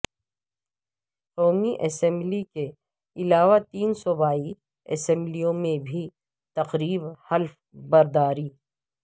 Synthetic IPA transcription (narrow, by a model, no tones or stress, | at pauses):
qoːmiʔɛsɛ̃mblike | ɪlaːʋat̪iːnsɔbaːi | ɛ̰sɛ̃mblijõmẽbʱi | t̪ɐqɾiːbhɐlf | bɐɾd̪aːɾiː